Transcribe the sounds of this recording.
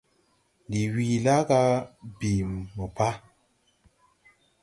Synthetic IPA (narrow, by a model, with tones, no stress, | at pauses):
di˨wi˨la˦ɡa˦bi˨mːə˨pa˦